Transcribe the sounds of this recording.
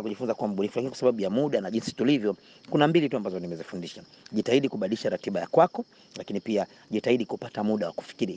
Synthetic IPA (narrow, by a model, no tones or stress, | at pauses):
akuʄifunzakuwam̩ɓunifulakinikwasaɓaɓujamuɗanaʄinsi̥tulivjɔ | kunambilituambazɔnimɛzifundiʃaʄitaiɗikuɓaɗiliʃaɾatiɓajakwakɔ | lakinipia | ʄitaiɗikupatamuɗawaku̥fi̥kiɾi